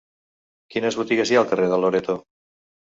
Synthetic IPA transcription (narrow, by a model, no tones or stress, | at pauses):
kinezβut̪iɣesjalt̪ereðaloɾet̪o